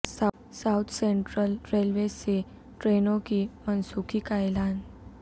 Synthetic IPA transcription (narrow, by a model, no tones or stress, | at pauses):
sa | sawt̪ʰseɳʈɾəlɾelʋese | ʈɾenõkimənsukʰikajlan